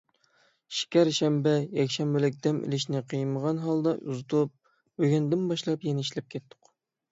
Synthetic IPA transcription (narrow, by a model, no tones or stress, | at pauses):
ʃi̥kʲæɾʃɛmbɛjɛkʲʃɛmbɛlɪk̚ʲd̪ɛmʔḭlɪʃnɪqʰəjməʁɑnɦɑlˠd̪ɑʔṵzɨt̪ʰup̚ | bøɡʲɛnd̪ɪnbɑʃlˠɑpjɛnɛiʃlɛp̚kʲʰɛt̪ʰːʊ̥q